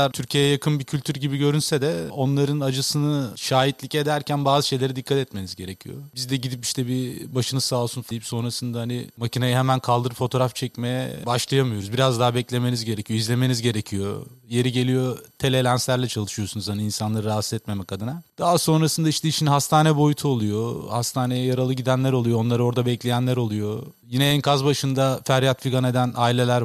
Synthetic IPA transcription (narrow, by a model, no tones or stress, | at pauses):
aɾt̪ʰyɾcʰijejɛjakʰɯnbicʰylʲt̪ʰyɾɟibiɟø̞ɾynsɛd̪ɛo̞nlˠaɾɯnad͡ʒɯsɯnɯʃaːɦit̪lʲice̞d̪æɾcʰænbaːzɯʃe̞jlʲe̞ɾid̪ikʰːat̪ɛt̪me̞nizɟe̞ɾecʰijo̞̰bizd̪ɛɟid̪ipiʃt̪ʰɛbibaʃɯnɯsaːlˠsunzd̪ejipso̞nɾasɯnd̪ahanɪ̰macʰinajaɦemænkʰalˠd̪ɯɾɯpfo̞t̪ʰo̞ɾaft͡ʃʰɛcme̞jɛ̰baʃlˠajamɯjo̞ɾuzbiɾazd̪aɦabɛclʲe̞me̞nizɟe̞ɾecʰijoizlʲe̞me̞nizɟe̞ɾecʰijo̞̰je̞ɾiɟe̞lijo̞t̪ʰe̞lʲelʲænslʲæɾlʲɛt͡ʃʰalˠɯʃɯjosunuzhaniinsanlˠaɾɯɾaːst̪ɛt̪me̞mɛkʰad̪ɯnad̪̥aɦaso̞nɾasɯnd̪aiʃt̪ʰɛiʃinɦast̪ʰaːnɛbo̞jut̪ʰuolˠujohast̪ʰaːne̞jɛjaɾalˠɯɟid̪ænlʲæɾo̞lˠujoo̞nlˠaɾɯo̞ɾd̪abɛclʲe̞jænlʲæɾo̞lˠujo | jinɛɛnkʰazbaʃɯnd̪afæɾjat̪fiɡane̞d̪ænaːilʲe̞lʲæɾ